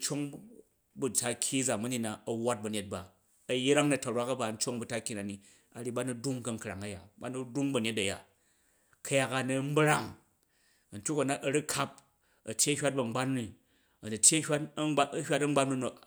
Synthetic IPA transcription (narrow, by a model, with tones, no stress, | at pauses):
n̩˦t͡ʃo˦ŋ | bu˨ta˦kʲʰːi˦d͡za˨mu˦ni˦na˨ɐ˨wːa˦t̚bɐ˨ɲʲe˨˦t̚ba˨ | ɐ˨jɾa˦ŋnɐ˨tɐ˨ɾwa˦kɐ˦ba˨n̩˦t͡ʃo˦ŋbu˨ta˦kʲːi˦na˨ni˨ | a˨ɾi˦ba˦nu˦du˦ŋkɐ˦ŋ̩˨kɾa˨ŋɐ˦ja̰˨ba˦nu˦du˦ŋbɐ˨ne˦t̬ɐ˨ja̰˨ | kʰɐ˦ja˦ka˨nɐ˧m̩˦bɾa˦ŋ˨ | n̩˦tʲu˦kɐ˨na˨ʔɐ˨ɾi˦kʰa˦p̚ | ɐ˨tʲje˦ɐ˦hʲʷa˦t̚bɐ˨ŋ͡m̩˦ɡ͡ba˦nni˨ | ɐ˨nu˨tʲe˦hʲʷa˦ta˦ɐ˦hʲa˦tɐ˦ŋ͡ma˦nmɐ˦˨no˨